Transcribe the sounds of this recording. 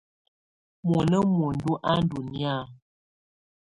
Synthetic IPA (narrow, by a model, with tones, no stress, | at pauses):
mɔ˨nə˦mo˨n̩˨du˦ʔa˦n̩˦du˨ni˦a˦˨